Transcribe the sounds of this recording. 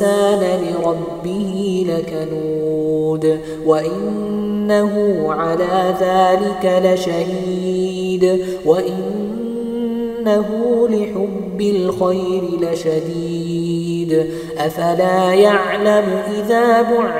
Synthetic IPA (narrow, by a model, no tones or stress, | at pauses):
aːnalɪɾˤɑbːɪhilakanuːd̪ | waʔɪnː | aɦʊʕalaːðaːlɪkalaʃahiː | d̪ | waʔɪn | aɦʊlɪħʊbːɪlxajɾɪlaʃad̪iː | d̪ | ʔafalaːjaʕlamʔɪðaːbʊʕ